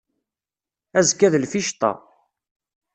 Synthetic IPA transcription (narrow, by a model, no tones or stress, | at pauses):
æzkːæðlfiʃt̪ˤɑ̰